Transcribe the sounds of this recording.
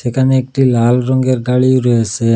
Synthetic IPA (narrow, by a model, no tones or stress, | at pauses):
sekʰaneekʈilalɾɔŋɡeɾɡaɭiɾɔesʰe